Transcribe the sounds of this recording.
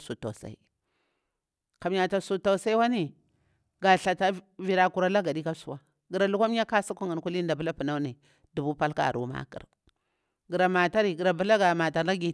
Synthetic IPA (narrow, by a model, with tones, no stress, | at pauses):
su˨ta˨sa̰˨i˨ | ka˨m˦ja˨ta˨su˨ta˨sa˦i˦wa˦ni˦ | ɡa˨ɬa˨ta˦vi˨ɾa˨ku˨ɾa˦la˦ɡa˨ɗi˦ka˦su˦wa˨ | ɡi˨ɾa˨lu˦ka˦m˦ja˦ka˦sa˦ku˦ŋa˨nku˦li˦n˦da˨bu˦la˦pu˨na˦ni˨ | du˨bu˦pa˦lka̰˦˨ɾṵ˦ma̰˦kḭ˨ɾ | ɡi˨ɾa˨ma˨ta˦ɾi˨ɡi˨ɾa˨bu˦la˦ɡa˨ma˨ta˨la˦ɡi˨